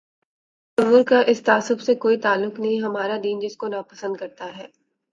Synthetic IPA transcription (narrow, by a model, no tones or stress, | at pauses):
ʃɐɦʊɾkaʔɪst̪aːsʊfsekoːit̪aːlːʊknɐɦĩɦɐmaːɾad̪iːnd͡ʒɪskonaːpɐsə̃nd̪̚kɐɾt̪aɦɛː